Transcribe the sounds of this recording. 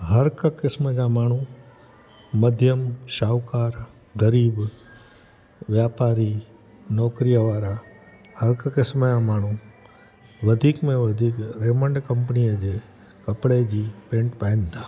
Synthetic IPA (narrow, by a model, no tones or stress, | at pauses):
ɦəɾkəkɪsməd͡ʒaːmaːɳ̤̃ũ | məd̪ʱjəmʃaːʋkaːɾ | ɡəɾiːb | ʋjaːpaːɾi | nɔːkɾijəʋaːɾa | həɾkəkɪsməjamaːɳ̤ũ | ʋəd̪ʱiːkmẽʋəd̪ʱiːkɾeːməɳɖkəmpənijəd͡ʒe | kəpɽed͡ʒiːpẽːɳʈpaːɪ̃nd̪aː